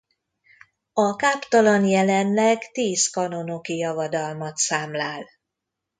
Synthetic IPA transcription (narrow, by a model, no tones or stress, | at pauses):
ɒkaːpt̪ɒlɒnjɛlɛnlɛɡt̪iːskɒnonokijɒvɒd̪ɒlmɒt̪saːmlaːl